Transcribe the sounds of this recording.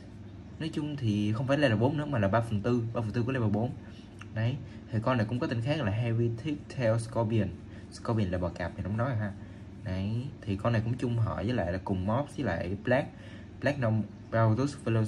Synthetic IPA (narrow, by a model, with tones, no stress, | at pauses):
nɔ˨˦jt͡ɕʊ˧ŋ͡mt̪ʰi˨˩xə˧wŋ͡mfaː˧˩jlaː˧jlaː˨˩ɓo˨˦nɨ̰˨˧˥əmaː˨˩laː˨˩ɓaː˧fə˨˩nt̪ɨ˧ɓaː˧fnt̪ɨ˧˥˦le˧˩ɓaː˨˩ɓo˨˦n | nə˨˩j | t̪ʰi˨˩kɔ˧na˨˩jkʊ̰˧˥ŋ͡mkɔ˨˦t̪ï˧˩ŋ̟xa˦˥ɣɔ˨laː˨˩ɦa˧vi˧t̪ʰi˦˥ək̚t̪ʰɛ˧wskɔ˧bi˧ə˨˩n | skɔ˧ɓi˧˩ə˨nla̰ː˧˨jɓɔ˨˩kaː˨˩p̚ma˨˩n˨ɔ̰˧ŋ͡mnɔ˨˦a˨˩ɦaː˧ | nə˨˩jt̪ʰi˨˩kɔ˧na˨˩kʊ̰˧˥ŋ͡mt͡ɕʊ˧ŋ͡mɦə̰ː˧˨jzəː˨˦jla̰ː˧˨jlaː˨˩kʊ˨˩ŋ͡mmɔ˦˥p̚zə˨˦jla̰ː˧˨jɓlaː˦˥k̚ | ɓlɛ˦˥k̚nɔ˧m | pa˧t̪u˦˥sfi˧lo˧